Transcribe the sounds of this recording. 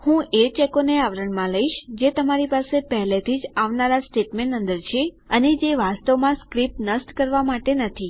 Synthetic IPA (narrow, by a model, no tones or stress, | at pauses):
hũʔet͡ʃekoneaʋɾəɳmãləiʃd͡ʒet̪əmaɾipasepəɦlet̪ʰid͡ʒaʋnaɾasʈeʈmẽɳə̃nd̪əɾt͡ʃʰe | əned͡ʒeʋast̪əʋmãskɾip̚nəsʈkəɾʋamaʈenət̪ʰi